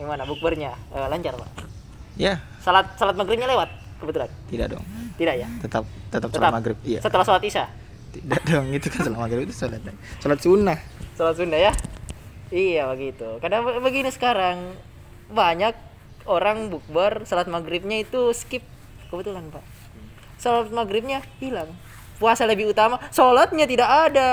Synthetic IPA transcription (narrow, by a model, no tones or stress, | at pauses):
dimanabuk̚bərɲaəlaɲt͡ʃarpa̰ʔ | ja | salat̪̚salat̪̚maɡɾɪp̚ɲalewat̪̚ | kəbət̪ulant̪ida̰ʔdɔ̰ŋt̪idaʔjat̪ət̪ap̚t̪ət̪ap̚salamaɡɾɪp̚ija̰sət̪əlahsolat̪isa | t̪idaʔdɔŋɡit̪ukansolat̪̚maɡɾɪpit̪u̥solat̪̚a | solat̪̚sunahsolat̪̚sunahja | ijabəɡit̪ukadaŋbəɡinisə̥kaɾaŋ | baɲak̚ | oɾaŋbuk̚barsolat̪̚maɡɾɪp̚ɲait̪uskɪp̚ | kəbət̪ulanpaʔ | solat̪̚maɡɾɪp̚ɲabilaŋ | puasaləbihut̪amasolat̪̚ɲat̪idakada